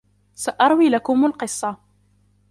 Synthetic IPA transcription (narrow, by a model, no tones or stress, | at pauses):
saʔɑɾˤwiːlakʊmʊlqɨsˤːɑ